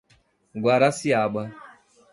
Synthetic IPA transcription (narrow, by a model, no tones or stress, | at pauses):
ɡwaɾasiaɓa